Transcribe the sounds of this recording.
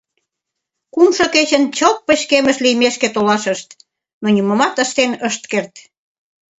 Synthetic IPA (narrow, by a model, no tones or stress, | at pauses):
kumʃɤket͡ɕənt͡ɕop̚pə̆ɕkemə̆ʃlijmeʃket̪olɑʃə̆ʃt̪ | nonʲimə̆mɑt̪əʃt̪enəʃt̪kert̪